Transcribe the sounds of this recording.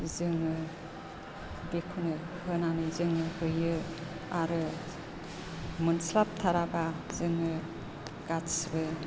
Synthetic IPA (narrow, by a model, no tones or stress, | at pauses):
zɯŋɯ | bekʰunɯ | hɯnanɯzɯŋɯhɯjɯ | aɾɯ | munslap̚t̪ʰaɾabazɯŋɯ | ɡatsbɯ